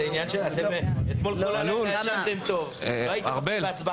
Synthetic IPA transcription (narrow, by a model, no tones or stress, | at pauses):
einjanʃeat̪emet̪mo̞lolanuʃavt̪emt̪o̞vloajit̪ʁbebeat͡sba